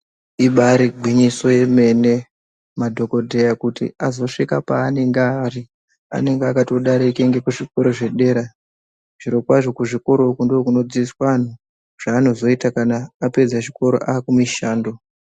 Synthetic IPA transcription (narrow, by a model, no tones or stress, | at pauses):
iɓaɾiɡʱwiɲiso̞je̞me̞ne̞ | madʱo̞ko̞dʱe̞jakutḭazo̞ʂikapaːne̞ŋɡeari | a̰ne̞ŋɡeakatoɗaɾikeŋɡe̞kuʐiko̞ɾo̞ʐe̞ɗe̞ːɾa | ʐ̥iɾo̞kwaʐo̞kuʐiko̞ɾo̞kundoːkuno̞d͡ziiswaan̤u | ʐ̥aːno̞zo̞itakanaːpe̞d͡zaʃiko̞ɾo̞̰ʔaːkumiʃaːndo̞